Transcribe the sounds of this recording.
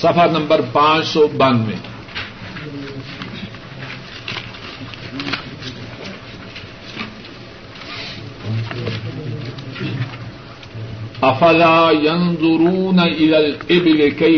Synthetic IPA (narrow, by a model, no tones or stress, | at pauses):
sɐfɐɾnɐmbɐɾpaːsɔbɐnːɪ̰ | ʔɐfɐlaːjɐnd̪ˤʊɾuːnɐʔɪlalɪbɪlɪka